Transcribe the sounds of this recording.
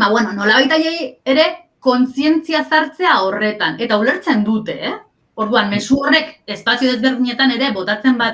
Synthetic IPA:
baβwenono̞laβajt̪aʎejeɾe̞ | ko̞nsie̞nt͡siasaɾt͡se̞ao̞re̞t̪ane̞t̪aule̞ɾt͡se̞nd̪ut̪e̞ | o̞ɾðuamme̞suo̞re̞ke̞spasioðe̞zβe̞ɾðiɲe̞t̪ane̞ɾe̞βo̞t̪at͡se̞mbat

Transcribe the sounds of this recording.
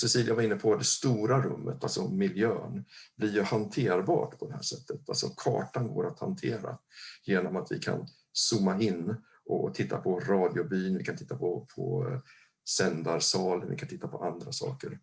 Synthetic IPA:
sɛsiːljavaɾɪnːəpʰɔd̪ɛst̪uːɾaɾɵ̰mːət̪alsɔmɪljøːnblɪɾjɵhant̪ʰeːɾbɑ̰ːʈpʰɔd̪ɛhæːʂɛt̪ʰːət̪alsɔkʰɑ̰ːʈanɡoːɾat̪ha̰nt̪ʰeːɾa̰jeːnɔmat̪vɪ̰kʰa̰n | suːmːaɪnː | ʔɔ̰t̪ʰɪt̪ːapʰɔɾɑːd̪ɪʊbyːnvɪkʰant̪ɪ̥t̪ːapʰɔpʰɔ | sɛnd̪aɾsɑːlənvɪkant̪ʰɪt̪ːapʰɔʔand̪ɾasɑ̰ːkəɾ

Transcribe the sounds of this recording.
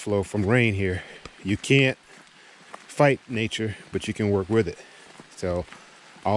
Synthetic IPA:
floʊfɹʌ̃mɹẽɪ̃nɦiɹjɨkʰæ̃nt̚ | faɪtⁿneɪt͡ʃə˞b̥ʌt͡ʃɨkʰɨ̃nwɜ˞kwɪðɪt̚ | soʊ | ʔa

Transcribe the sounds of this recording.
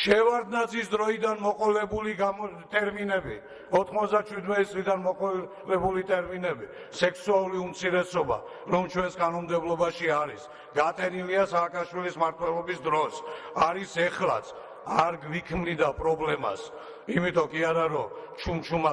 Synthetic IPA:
ʃɛvaɾd̪nat̪sisd̪ɾɔid̪anmɔqʼɔlɛbuliɡat̪ʼɛɾminɛbi | ɔt̪ʰχmɔt̪sd̪at͡ʃʰwid̪mɛt̪ʼit̪sʼlid̪anmɔqʼɔ | lɛbulit̪ʼɛɾminɛbi | sɛkʰsualˠuliumt̪sʰiɾɛsɔba̰ | ɾɔmt͡ʃʰwɛnskʼanɔmd̪ɛblˠɔbaʃiaɾis | ɡat̪ʼɛniliasaːkʼaʃwilismaɾt̪ʰwɛlɔbisd̪ɾɔs | aɾisɛχlˠa̰t̪sʰ | aɾɡvikʰmnid̪apʼɾɔblɛma̰s | imit̪ʼɔkʼiaɾaɾɔt͡ʃʰumt͡ʃʰuma

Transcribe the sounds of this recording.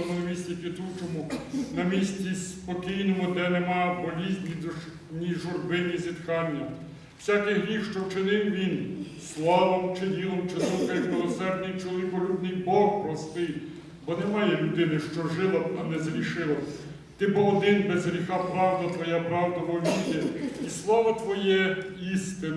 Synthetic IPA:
ɔmʊnɐmʲisʲtʲipʲit̪ut͡ʃɔmʊnɐmʲisʲtʲispɔkʲijnɔmʊd̪ɛnɛmɑjbɔlʲizʲnʲi | nʲiʒʊrbɪnʲizʲit̪kɑnʲːɐ | w̥sʲɑkɪɦɾʲixʃt͡ʃɔwt͡ʃɪnɪwʋʲin | slˠɑʋɔmt͡ʃɪd̪ʲilˠɔmt͡ʃɪzɔwkɐjɐkmɪlˠɔsɛrd̪nɪjt͡ʃɔlˠʋʲikɔlʲud̪nɪjbɔkpɾɔst̪ɪj | bɔnɛmɑjɛlʲʊd̪ɪnɪʃt͡ʃɔʒɪlˠɐɐnɛzɾʲiʃɪlˠɐ | t̪ɪbɔɔd̪ɪnbɛzɦɾʲixɑpɾɑwd̪ɐt̪ʋɔjapɾɑwd̪ɐʋɔʋʲiɾʲjɛislˠɑʋɐt̪ʋɔjɛ | ist̪ɪn

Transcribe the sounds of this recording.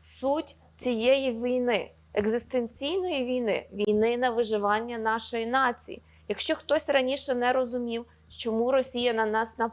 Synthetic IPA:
sutʲ | t͡sʲijɛjiʋʲijnɪ | ɛɡzɪst̪enʲt͡sʲijnɔjiʋʲijnɪ̰ʋʲijnɪnɐʋɪʒɪʋɑnʲːɐnɑʃɔjinɑt͡sʲḭjḭ | jɐkʃt͡ʃɔxt̪ɔsʲrɐnʲiʃɛnɛɾɔzʊmʲiw | t͡ʃɔmuɾɔsʲijɐnɐnɑsnɐ

